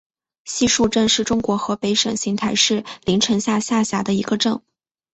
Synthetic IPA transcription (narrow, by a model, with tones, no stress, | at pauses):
ɕi˥˧ʂu˥˧ʈ͡ʂə˥˧nʂɻ̩˥˩ʈ͡ʂʊ˥ŋkwɔ˧˥xɤ˧˥pe˧˥ɪʂə˨˩ŋɕi˧˥ŋt̪ʰa˧˥ɪʂɻ̩˥˩li˧˥ŋʈ͡ʂʰɤ˧˥ŋɕja˥˧ɕja˥˩ɕja˧˥d̪ə˧i˧˥ɡə˧ʈ͡ʂɤ˥˩ŋ